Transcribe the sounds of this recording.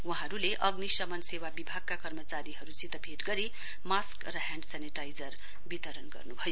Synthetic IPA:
waɦʌ̃ɾuleʔʌɡnisʌmʌnsewabibʱaɡ̚kakʌrmʌt͡saɾiɦʌɾusit̪ʌbʱeʈɡʌɾi | maskrʌɦãɳɖsaneʈajd͡zʌr | bit̪ʌɾʌnɡʌ̰rnubʱʌjo

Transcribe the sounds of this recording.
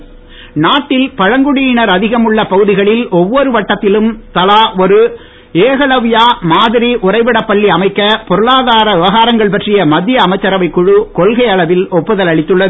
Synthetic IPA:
naːʈːɪlpɐɻɐŋɡɯɽijɪnɐɾɐðɪɣɐmɯɭːɐpɐɣɯðɪɣɐɭɪlʔɔʋːɔɾɯʋɐʈːɐt̪ːɪlɯmt̪ɐlaːɔɾɯ | eːɣɐɭɐʋɪjaːmaːðɪɾiʔʊrɐɪʋɪɽɐpːɐɭːiɐmɐɪkːɐpɔɾɯɭaːðaːɾɐɯʋɐɣaːɾɐŋɡɐɭpɐʈrɪjɐmɐd̪ːɪjɐːmɐɪt͡ʃːɐɾɐʋɐɪkːʊɻukɔlɣɐɪɐɭɐʋɪlɔpːɯðɐlɐɭɪt̪ːɯɭːɐð

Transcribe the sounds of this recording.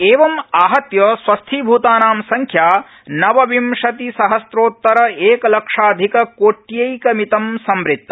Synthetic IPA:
eːʋɐmaːɦɐt̪jɐsʋɐst̪ʰibʱuːt̪aːnaːmsɐŋkʰjaː | nɐʋɐʋimʃɐt̪isɐɦɐsɾoːt̪ːɐɾɐeːkɐlɐkʂaːd̪ʱikɐkoːʈjɐjkɐmit̪ɐmsɐmɾit̪ːɐ

